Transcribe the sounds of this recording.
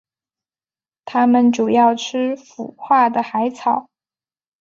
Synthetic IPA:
t̪ʰa˥mə˨nʈ͡ʂu˨˩jɑ˥˩ʊʈ͡ʂʰɻ̩˥fṵ˨˩xwa˥˩d̪ə˩xa˧˥ɪt͡sʰɑ˨˩˦ʊ

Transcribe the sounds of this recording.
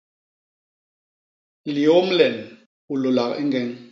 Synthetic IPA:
li˨o˦m˦lɛ˨n | u˨lo˨la˨kḛ˦ŋɡɛ˦ŋ

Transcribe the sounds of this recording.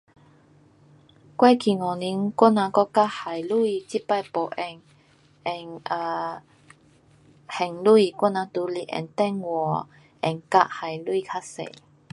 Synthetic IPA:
kwɛ˧kʰi˨ŋɔ˨˩ni˧˦ŋkɔ˦˥nã˧kɔ˦˥ka˦˥ʔha˨˩jlu˥˧i˧˩t͡ɕi˦pa˥˧jpo˨˩ʔɛ˨˩ŋ | ɛ˨˩ŋə˧ | hɛ˨˩ŋlu˦i˧˩kʷɔ˥˦˥nã˧t̪u˨˦li˨ʔɛ̰˨˩nt̪ɛ˥˧ŋwɔ˨ | ɛ˨˩ŋka˧ʔha˨˩jlu˦i˧kʰa˦˥sḛ˨

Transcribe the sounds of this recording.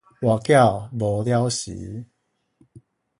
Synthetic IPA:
wa˨˩kja˥˨bɔ˨˦lja˦wɕḭ˨˦

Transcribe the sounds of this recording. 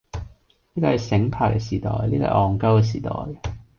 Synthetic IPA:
liː˥kɔː˧˩hɐ˨jsɪ˨˧˥ŋpʰaː˨˩k̚kɛ̰ː˧siː˨˩t̪ɔ̰ː˨jliː˥kɔ̰ː˧˩ʔɔː˨ŋkɐ˥wkɛː˧s̬iː˨˩t̪ɔ̰ː˨˩j

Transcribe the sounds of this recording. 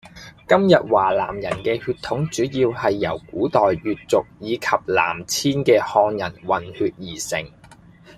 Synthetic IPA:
kɐ˥mjɐ˨t̚waː˨˩laː˨˩mjɐ˨˩nkɛː˧hyː˧t̪ʰʊ˨˥ŋt͡ʃyː˨˥jiː˧whɐ˨jːɐ̰˨˩wkuː˨˥t̪ɔː˨jːyː˨t̚t͡sʊ˨k̚jiː˨˧kʰɐ˨p̚la̰ː˨˩mt͡sʰiː˥nkɛː˧hɔː˧ŋjɐ˨˩nwɐ˨˩nhyː˧t̚jiː˨˩sɪ̰˨˩ŋ

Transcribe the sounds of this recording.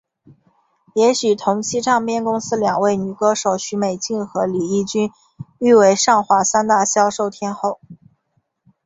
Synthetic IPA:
jɛ˧˥ɕy˨˩t̪ʰʊ˧˥ŋt͡ɕʰi˥ʈ͡ʂʰɑ˥˧ŋpjɛ˥˧˩nkʊ˥ŋsɹ̩˥ljɑ˨˩ŋwe˥˩ɪny˨˩kɤ˥ʂo˨˩˥ʊɕy˧˥me˨˩ɪt͡ɕi˥˩nxɤ˧˥li˨˩i˥˩t͡ɕy˥n | y˥˧we˧˥ɪʂɑ˥˩ŋxwa˧˥sa˥nt̪a˥˩ɕjɑ˥ʊʂo˥˩ʊt̪ʰjɛ˥nxo˥˩ʊ

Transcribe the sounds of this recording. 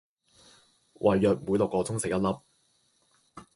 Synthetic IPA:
wʔɐ˨˩jːœː˨k̚muː˨˧˥jlo˨kːɔː˧t͡sʊ˥ŋse˨k̚jɐ˥t̚lɐ˥p̚

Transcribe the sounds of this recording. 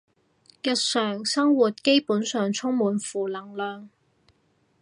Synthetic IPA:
jɐ˨˧t̚sœː˨˩ŋsɐ˥ŋwuː˨˩t̚ke˥jpuː˨˥nsœː˨ŋt͡sʰʊ˥ŋmuː˨˧nfuː˨˩lɐ˨˩ŋlœː˨ŋ

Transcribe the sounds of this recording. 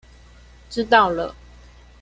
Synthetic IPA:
ʈ͡ʂɻ̩˥t̪ɑ˥˩ʊlə˨˩

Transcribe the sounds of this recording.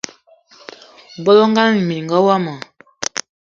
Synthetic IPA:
bɔ˦lɔ˦ŋ˦ɡa˦ni˨mi˨ŋɡɔ˦wa˦ma˨

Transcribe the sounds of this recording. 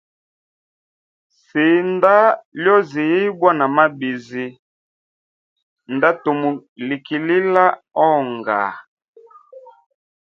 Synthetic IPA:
se˨nda˦ljɔ˦zi˨ji˦bwa˦na˨ma˦bi˨zi˨ | nda˦to˨mu˨li˨ki˨li˦la˦ | ɔ˦˨ŋɡa̰˨

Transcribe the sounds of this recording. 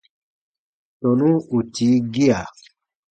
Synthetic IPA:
tɔ˨nũ˦u˨ti˨˦ɡi˦a˨

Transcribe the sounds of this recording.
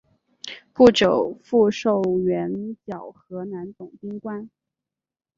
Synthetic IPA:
pu˥˩ʈ͡ʂo˨˩ʊfu˥˧ʂo˥˩ʊɥɛ˧˥nt͡ɕjɑ˨˩ʊxɤ˧˥na˧˥nt͡s̪ʊ˨˩ŋpi˥ŋkwa˥n

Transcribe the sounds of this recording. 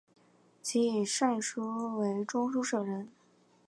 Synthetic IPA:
t͡ɕʰi˧˥i˨˩ʂwa˥˩nʂu˥we˧˥ɪʈ͡ʂʊ˥ŋʂu˥ʂɤ˨˩ɻə˧˥n

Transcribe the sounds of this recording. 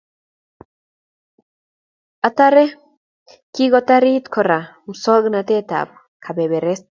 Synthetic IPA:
at̪a˦ɾe˦ | ki˦ɣot̪a˦ɾi˦t̪kʰo˨ɾa˨ | m̩so˦ɡnat̪e˦t̪a̰˨b̚ | kʰa˨be˨βe˨ɾe˦s

